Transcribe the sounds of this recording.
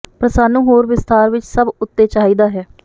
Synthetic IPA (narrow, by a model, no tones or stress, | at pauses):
pɾəsaːnũːɦoːɾʋɪst̪aːɾʋɪt͡ʃsəbʊt̪ːeːt͡ʃaːiːd̪aːɦɛː